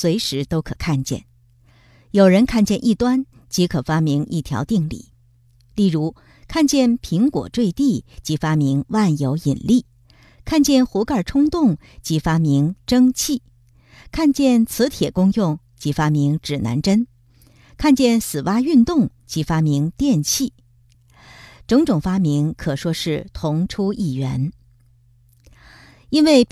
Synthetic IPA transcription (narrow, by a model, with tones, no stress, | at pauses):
swe˧˥ɪʂɻ̩˧˥t̪o˥ʊkʰɤ˨˩kʰa˥˧nt͡ɕjɛ̰˥˩n | jo˨˩ʊɻə˧˥nkʰa˥˧nt͡ɕjɛ˥˧nʔi˥˩t̪wa˥n | t͡ɕi˧˥kʰɤ˨˩fa˥mi˧˥ŋʔi˥˩t̪ʰjɑ̰˧˥ʊt̪i˥˧ŋlḭ˥˩˦ | li˥˩ɻu˧˥ | kʰa˥˧nt͡ɕjɛ˥˩npʰi˧˥ŋkwɔ̰˨˩ʈ͡ʂwe˥˧ɪt̪i˥˩t͡ɕi˧˥fa˥mi˧˥ŋwa˥˩njo˧˥ʊi˨˩nli˥˩ | kʰa˥˧nt͡ɕjɛ˥˩nxu˧˥ka˞˥˩ʈ͡ʂʰʊ˥ŋt̪ʊ˥˩ŋ | t͡ɕi˧˥fa˥mi˧˥ŋʈ͡ʂɤ˥ŋt͡ɕʰi˥˩ | kʰa˥˧nt͡ɕjɛ˥˩nt͡sʰɹ̩˧˥t̪ʰjɛ˨˩kʊ˥ŋjʊ˥˩ŋ | t͡ɕi˧˥fa˥mi˧˥ŋʈ͡ʂɻ̩˨˩na̰˧˥nʈ͡ʂə˥n | kʰa˥˧nt͡ɕjɛ˥˩nsɹ̩˨˩wa˥y˥˧nt̪ʊ˥˩ŋt͡ɕi˧˥fa˥mi˧˥ŋt̪jɛ˥˧nt͡ɕʰi˥˩ | ʈ͡ʂɤ˧˥ŋʈ͡ʂʊ˨˩ŋfa˥mi˧˥ŋkʰɤ˨˩ʂwɔ˥ʂɻ̩˥˩t̪ʰʊ˧˥ŋʈ͡ʂʰu˥i˥˩ɥɛ̰˧˥n | i˥nwe˥˩ɪ